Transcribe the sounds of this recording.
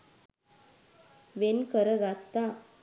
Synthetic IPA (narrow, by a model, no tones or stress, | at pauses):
ʋenkəɾəɡat̪ːa